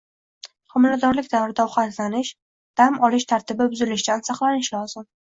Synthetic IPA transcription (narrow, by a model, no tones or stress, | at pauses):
hʊmlad̪ɒɾlɪk̚ʲd̪avɾɪd̪aʊχat̪lanɪʃ | d̪̥amʔɒlɪʃt̪ʰaɾt̪ʰɪbɪbʊzɪlɪʃɡʲansɑqlˠanɪʃlɒzɪm